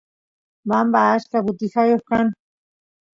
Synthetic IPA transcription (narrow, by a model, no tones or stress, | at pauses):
bambaːʃkapʊt̪ɪxajoχkan